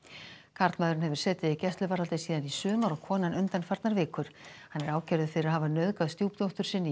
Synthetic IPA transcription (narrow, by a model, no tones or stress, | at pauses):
kʰaɾt̪maːðɾɪnhɛvʏɾ̥sɛːt̪ɪðicɛst̪lʏvaːɾalt̪ɪsiːðanisʏːmaɾɔɣkʰɔːnanʏnt̪anfaɾt̪naɾvɪːkʏɾ̥hanːɛɾaːwcɛɾðʏfɪɾɪɾahaːvanœðkaðst̪jowpt̪owht̪ʏɾ̥sɪnːɪ